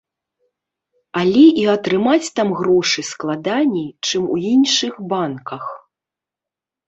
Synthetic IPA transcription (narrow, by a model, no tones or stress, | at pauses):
alʲɛʔiɐt̪ɾɨmat͡sʲt̪amɣɾɔʂɨsklˠad̪anʲɛjt͡ʂɨmṵinʂɨxbankɐx